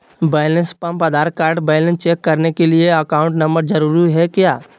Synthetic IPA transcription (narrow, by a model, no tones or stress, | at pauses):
beːlənspɐmpɐd̪aːɾ̚kaːɾɖbeːlə̃nst͡ʃeːkːɐɾnekelieɐkaːʊ̃ɳʈnɐ̃mbəɾd͡ʒɐɾuːɾiɦɛkjaː